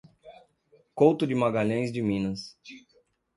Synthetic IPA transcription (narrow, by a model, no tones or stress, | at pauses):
kowt̪ʊd͡ʒɪmaɡaʎɐ̃j̃zd͡ʒɪmĩnɐs